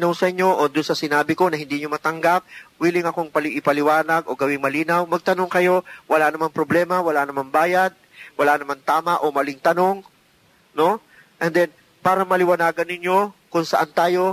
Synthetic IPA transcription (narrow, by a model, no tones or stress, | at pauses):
nɐwsɐʔɪɲːo̞ʔod̪ʊnsɐsɪnaːbɪko̞nɐhɪnd̪iɲomɐt̪ɐŋɡap̚wiːlɪŋɐkoŋpɐlɪʔɪpɐlɪwaːnɐɡo̞ɡɐwɪŋmɐliːnɐwmɐɡ̚t̪ɐno̞ŋkɐjo̞wɐlanɐmanpɾoblɛːmɐwɐlanɐmanbaːjɐd̪̚ | wɐlanɐmant̪aːmɐʔo̞mɐlɪŋt̪ɐno̞ŋ | no̞ | ʔɛnd̪ɛn | paːɾɐmɐlɪwɐnaːɡɐnːɪɲjo̞kʊŋsɐʔant̪aːjo̞